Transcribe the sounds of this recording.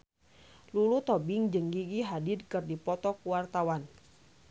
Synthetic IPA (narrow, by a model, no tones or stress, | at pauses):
lulut̪ɔbiŋd͡ʒɨŋɡiɡiɦadidkɨrdipɔt̪ɔkuwart̪awan